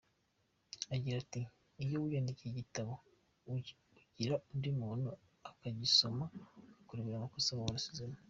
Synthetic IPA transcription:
aɟiɾatiː | jowujaːndiciiɟitaβo | uɟiɾaundimuːno | akaɟiso̞makakuɾiβiɾamakosamuwanasuzema

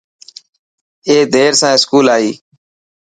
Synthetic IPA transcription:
eːd̪ʱeːɾsãːɪskuːlaːɦiː

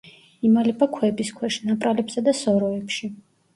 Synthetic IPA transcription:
imalɛpʰakʰwɛbiskʰwɛʃnapʼɾalɛpsad̪asɔɾɔɛpʃi

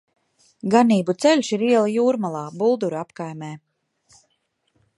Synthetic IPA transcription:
ɡaniːbut̪sɛlʲsiɾiɛlˠajuːɾmalˠɑːbulˠd̪uɾapkajmɛː

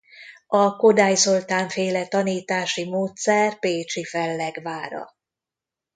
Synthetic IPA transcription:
ɒko̞d̪aːjzo̞lt̪aːɱfeːlɛt̪ɒniːt̪aːʃimoːt̪sɛrpeːt͡ʃifɛlːɛɡʋaːɾɒ̰

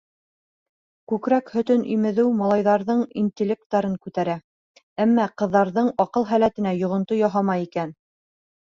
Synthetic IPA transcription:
kʉkɾækhɵ̆t̪ɵnʔḭmɘ̆ðɘwmɑlˠɑjðɑɾðɤɴint̪ʲɪlʲek̚t̪ːɑɾɤŋkʉt̪æɾæ | æmːæqɤ̆ðːɑɾðɤɴɑqɤlˠɦælæt̪ɘ̆næjŏʁŏnt̪ojɑɦɑmɑikæn

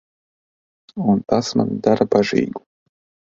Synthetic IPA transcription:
unt̪asma̰nd̪aɾabaʒḭːɡu̥

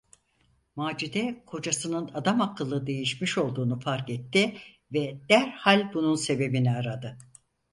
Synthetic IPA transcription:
maːd͡ʒid̪ɛkʰo̞d͡ʒasɯnɯnad̪amakʰːɯlˠːɯd̪e̞jiʃmiʃo̞lˠd̪uːnufaɾkɛt̪ʰːi | vɛd̪̥æɾhalʲbununse̞be̞biniaɾad̪ɯ

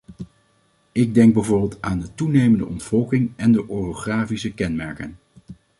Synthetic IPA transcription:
ɪɡ̚dɛŋɡ̚bɛjvʊːɹbɪlˠtaːndətunejməndə̰ʔɔntfɔlˠkɪŋɛndəʔoroχraːfisəkɛnmɛɹkən

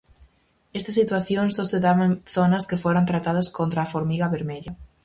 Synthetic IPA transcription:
est̪asit̪waθjoŋsoseðaβenθonaskefoɾant̪ɾat̪aðoskont̪ɾaːfoɾmiɣaβeɾmeʎa

